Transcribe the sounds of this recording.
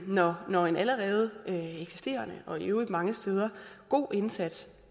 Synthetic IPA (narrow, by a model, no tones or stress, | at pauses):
nɒnɒe̝nʔæləʁɛːð̞ˠəøeɡ̥si̥sd̥e̝̰ːɐnəʔɒ̽eʊi̥mɑ̈ŋəsd̥eð̞ˠɐɡ̥o̝̰ːʔe̝nsæd̥s